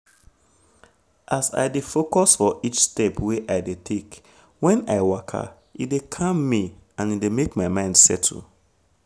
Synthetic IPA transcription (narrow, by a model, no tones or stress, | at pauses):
ʔasa̰ɪdefokɔsfɔʔit͡ʃstɛpweʔaɪdetʰek | wɛ̃na̰ɪwakʰa̰ | idekʰãmːiãnidemekmaɪmãɪ̃ndsɛtʰṵ